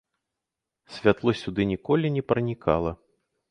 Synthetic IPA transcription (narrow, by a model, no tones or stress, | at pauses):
sʲvʲat̪lˠɔsʲud̪ɨnʲikɔlʲinʲɛpɾɐnʲikʰa̰lˠɐ